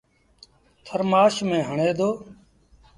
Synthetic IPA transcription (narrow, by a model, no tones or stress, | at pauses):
t̪ʰəɾmaːʃmẽːɦəɳeːd̪oː